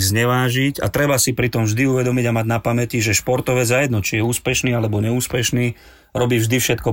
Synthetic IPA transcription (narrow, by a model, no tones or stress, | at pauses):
zɲɛʋaːʒiɟa̰t̪ɾɛbasipɾit̪ɔmvʒd̪iuʋɛd̪ɔmiɟamaɟnapamɛciʒɛʃpɔɾt̪ɔʋɛzajɛd̪nɔt͡ʃijɛuːspɛʃniːalɛbɔɲɛuːspɛʃniː | ɾɔbiːvʒd̪ifʃɛt̪̚kɔ